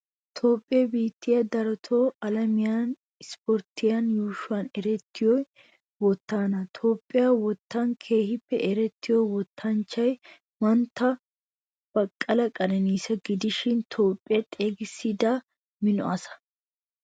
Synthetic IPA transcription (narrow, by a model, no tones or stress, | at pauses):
t̪ʰo̞ːpʼːɪjɐbiːt̪ːɪjɐd̪ɐɾɔt̪ʰoːɐlɐmɪjan | ɪspɔɾt̪ːɪjɐnjuːʃʊɐnɛɾɛt̪ːɪjɔj | wɔt̪ːaːnɐt̪ʰo̞ːpʼːɪjaːwɔt̪ːɐnkʰe̞ːhɪpːɛʔɛɾɛt̪ːɪjɔwɔt̪ʰːɐnt͡ʃːɐj | mɐnt̪ːɐ | b̥ɐkʼːɐlɐkʼɐnɛniːsɐɡɪd̪ɪʃɪnt̪ʰo̞ːpʼːɪjɐt̪ʼe̞ːɡɪsːɪd̪a | mɪnɔ̰ɐsɐ̥